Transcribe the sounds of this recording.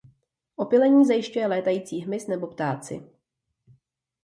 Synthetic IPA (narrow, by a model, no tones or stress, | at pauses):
ʔo̞pɪlɛɲiːzajɪʃcujɛlɛːt̪ajiːt͡siːɦmɪsnɛbo̞pt̪aːt͡sɪ̰